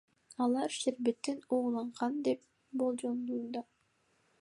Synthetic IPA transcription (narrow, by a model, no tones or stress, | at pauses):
ɑlˠɑɾʃeɾbet̪ːinuːlˠɑɴʁɑnd̪e̞p̚ | bo̞lˠd͡ʒond̪uund̪ɑ